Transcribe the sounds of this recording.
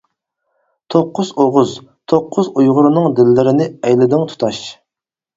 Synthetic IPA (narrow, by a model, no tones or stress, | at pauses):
t̪ʰoqːʊzoʁʊz | t̪ʰoqʰːʊzujʁʊɾnɨŋd̪ɪlːɪɾɪnɪɛjlɪd̪ɪŋt̪ʰu̥t̪ʰɑʃ